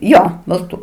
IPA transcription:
ˈjoː bɐlˠˈtuː

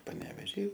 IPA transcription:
pɐnʲɛʋʲɛˈʒʲiː

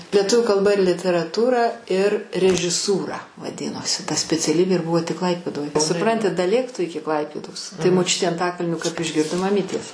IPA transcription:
lʲiɛˈtʊʋʲʊ kɐlˠˈbɐ ɪr lʲɪtʲɛrɐˈtuːrɐ ɪr rʲɛʒʲɪˈsuːrɐ ʋɐˈdʲɪnoːsʲɪ tɐ sʲpʲɛt͡sʲɛˈlʲiːbʲeː ɪr ˈbʊʋoː tʲɪk ˈklˠɐɪpʲeːdoːj sʊˈprɐnʲtʲɪ dɐˈlʲeːk tʊ ˈɪkʲɪ ˈklˠɐɪpʲeːdoːs tɐɪ moːˈt͡ʃʲʊtʲeː ɐnˈtɑːkɐlʲnʲoː kɐp ɪʒʲˈɡʲɪrdoː mɐˈmʲiːtʲeːs

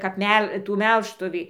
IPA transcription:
kɐp ˈmʲɛlˠ ˈtuː ˈmʲɛlˠʃtʊʋʲiː

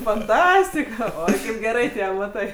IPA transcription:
fɐnˈtɑːsʲtʲɪkɐ ˈoːɪ kɐɪp ɡʲɛˈrɐɪ ˈtʲiɛ ɐmɐˈtɐɪ

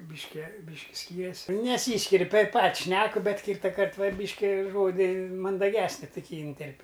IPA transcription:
bʲɪʃʲˈkʲɛ ˈbʲiːʃʲkʲɪ ˈsʲkʲiːrʲɛsʲ nʲɛˈsʲiːsʲkʲɪrʲ tɐɪp ˈpɐt ˈʃʲnʲæːkʊ ˈbʲɛt ˈkʲiːtɐkɐrt ˈʋɐ ˈbʲiːʃʲkʲɪ ˈʒoːdʲɪ mɐndɐˈɡʲæːsʲnʲɪ tʊˈkʲiː iːnʲˈtʲɛrʲpʲ

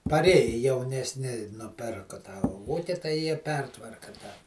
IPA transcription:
pɐˈrʲeːjɪ jɛʊnʲɛsʲˈnʲɪ nʊˈpʲɪrkʊ tɐ ˈʋuːkʲɪ tɐɪ ˈjiɛ ˈpʲɛrtʋɐrkɐ tɑː

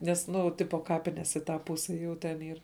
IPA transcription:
ˈnʲɛs ˈnʊ ˈtʲɪpoː ˈkɑːpʲɪnʲɛs iː ˈtɑː ˈpʊsʲɛ juː tʲɛn ˈiːr

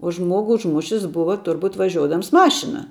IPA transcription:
oː ˈʒmuɔɡʊ ʊʒˈmʊʃʲɪs ˈbʊʋɐ ˈtʊrbʊt ʋɐˈʒʲuɔdɐms ˈmɑːʃʲɪnɐ

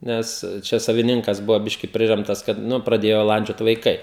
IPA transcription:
ˈnʲɛs ˈt͡ʃʲɛ sɐʋʲɪˈnʲɪŋkɐs ˈbʊʋoː ˈbʲɪʃʲkʲɪ ˈpʲrʲɪrʲɛmtɐs kɐt ˈnʊ prɐˈdʲeːjoː ˈlˠɐnʲd͡ʒʲoːt ʋɐɪˈkɐɪ

